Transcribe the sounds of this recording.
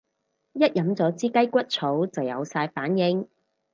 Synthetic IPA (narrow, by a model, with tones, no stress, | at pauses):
jɐ˥t̚jɐ˨˥mt͡sɔː˨˥t͡siː˥kɐ˥jkʷɐ˥t̚t͡sʰo˨˥wt͡sɐ˨˩wjɐ̰˨˧wsaː˧jfaː˨˥njɪ˨˧ŋ